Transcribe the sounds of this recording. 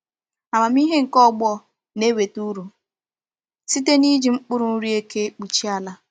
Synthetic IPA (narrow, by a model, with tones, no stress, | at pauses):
a˨ma˨m˦i˦ɦe˦ŋ̩˨kɔ˦˨ɡ͡bɔ˦ | ne˦we˨tu˦ɾu˨ | si˦te˦ni˦d͡ʒi˨ŋ͡m̩˦k͡pʊ˦ɾʊ˨n̩˦ɾi˦e˦ke˦k͡pu˨t͡ʃi˦a˦la˦